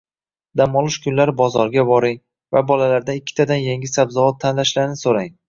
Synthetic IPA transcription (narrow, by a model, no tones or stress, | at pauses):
d̪amɒlˠɪʃkʲʰʊnlaɾbɒzɒɾɡʲabɒɾɪŋ | vabɒlalaɾd̪aɪkʲʰːɪ̥t̪ʰad̪anjeŋʲɪsabzɒvɒt̪ʰːanlaʃlaɾnɪsoɾaŋ